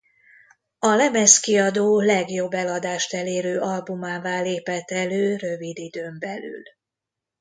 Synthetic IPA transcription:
ɒlɛmɛskiɒd̪oːlɛɡjo̞bːɛlɒd̪aːʃt̪ɛleːɾøːʔɒlbumaːvaːleːpɛt̪ːɛløːrøvid̪id̪øːmbɛly̰l

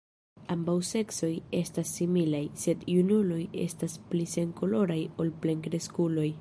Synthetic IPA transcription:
ambawse̞kso̞je̞stasːimilajse̞djunulo̞je̞̰stasplise̞ŋko̞lo̞ɾajo̞lple̞ŋkɾe̞skulo̞j

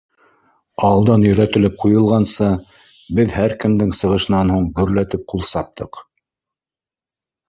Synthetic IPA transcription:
ɑwlˠd̪ɑnjɵ̆ɾæt̪ɘ̆lɘp̚qujɤ̆lˠʁɑnsɤ | bɘðhæɾkɘ̆md̪ɘŋsɤ̆ʁɤ̆ʃɤ̆nɑnhuɴɡɵ̆ɾlæt̪ɘp̚qulˠsɑp̚t̪ʰɤq

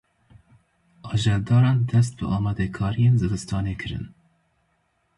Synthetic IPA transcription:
ʔɑːʒɛld̪ɑːɾɑːnd̪ɛst̪̚bɨ̰ʔɑːmɑːd̪ɛkʰɑːɾijeːnzɨlɨst̪ɑːneːkʰɨɾɨ̰n

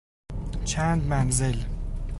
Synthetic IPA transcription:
t͡ʃʰænd̪manzɪl

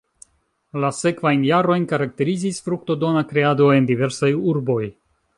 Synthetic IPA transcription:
lase̞kvajnjaɾo̞jnkaɾak̚te̞ɾizisfɾuk̚to̞do̞nakɾe̞ado̞e̞ndive̞ɾsajuɾbo̞j

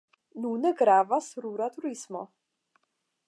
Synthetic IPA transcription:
nunɨɡɾaːvasɾuɾat̪ʰuɾismo̰

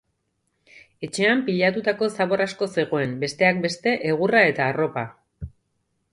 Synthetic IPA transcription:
e̞t͡ʃe̞ampiʎat̪ut̪ako̞saβo̞rasko̞se̞ɣ̞o̞e̞mbe̞st̪e̞ak̚be̞st̪e̞ʔeɣ̞urae̞t̪aːro̞pa

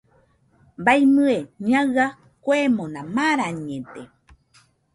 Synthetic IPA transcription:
mbajmɨeɲãa | kʷemõnãmaɾaɲẽt̪e

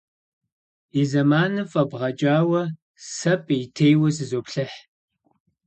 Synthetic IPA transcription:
izɐmaːnɨfʼɐbʁɐt͡ʃʼaːwɐ | sɐpʼjtʰejwɐsɨzoːpɬɐħ

